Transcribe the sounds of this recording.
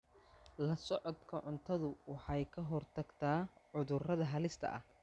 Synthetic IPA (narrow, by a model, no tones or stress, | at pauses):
lɐsɔʕɔd̪kʰɐʕʊnt̪ʰɐðʊwɑħɑjkʰɐɦɔrt̪ʰɐɡt̪ʰaːʕʊðʊrɐðɐɦɐlɪst̪ʰɐ̰ʔɐh